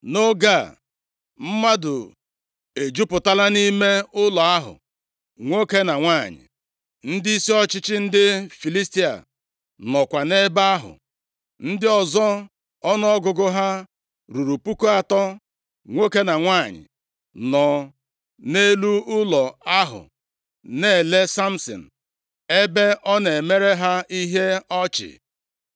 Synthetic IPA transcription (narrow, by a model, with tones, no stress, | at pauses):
no˦ɡa˦˨ | m̩˦ma˦dʊ˨ | e˨d͡ʒu˦pʊ˨ta˦la˦ni˦me˦ʊ˦lɔ˨a˦ɦʊ̰˨ | ŋʷo˦ke˦na˨ŋʷaː˦˨ɲɪ̰˨ | n̩˦dɪ˦i˦si˦ɔ˦t͡ʃɪ˦t͡ʃɪ˦n̩˦dɪ˦fi˨li˦sti˦a̰˨ | nɔ˨kʷa˨ne˦ba˦ɦʊ̰˨ | n̩˦dɪ˦ɔ˨zɔ˦ | ɔ˦nɔ˦ɔ˦ɡʊ˨ɡʊ˦ɦa˦ | ɾu˨ɾu˨pu˦ko˦a˨tɔ˦ | ŋʷo˦ke˦na˨ŋʷaː˦˨ɲɪ̰˨ | nɔ˨ | ne˦lu˦ʊ˦lɔ˨a˦ɦʊ̰˨ | ne˦˨le˦sa˦m̩˦sɔ̰˨n̩˨ | e˦be˦ʔɔ˦ne˨me˦ɾe˦ɦa˦i˦ɦe˦ɔ˦t͡ʃɪ̰˨